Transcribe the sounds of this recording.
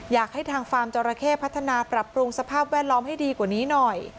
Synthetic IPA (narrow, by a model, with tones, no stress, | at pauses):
jaː˨˩k̚ha˥˩jt̪ʰaː˧ŋfaː˧mt͡ɕɔː˧ɾaː˧kʰeː˥˩pʰa˦˥t̪ʰːa˧naː˧pɾa˨˩pːɾu˧ŋsa˧pʰaː˥˩p̚wɛː˥˩t̪̚lɔː˦˥mha˥˩jdiː˧kwaː˨˩niː˦˥nɔ˨˩j